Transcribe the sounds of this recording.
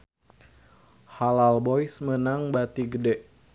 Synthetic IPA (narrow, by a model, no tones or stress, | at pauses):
halalbɔjsmənaŋbat̪iɡədɛʔ